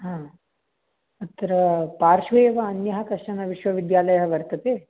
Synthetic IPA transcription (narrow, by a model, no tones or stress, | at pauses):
ɦãː | ɐt̪ːɐɾɐpaːɾʂʋeːʋɐːnjɐɦɐkɐʂʈɐnɐʋiʃʋɐʋid̪jaːlɐjɐɦɐʋɐɾt̪ɐt̪eː